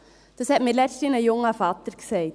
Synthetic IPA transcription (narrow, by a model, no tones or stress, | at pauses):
d̥əshɛtmilɛt͡stinəjʊŋəfɑt̪əɾkseɪt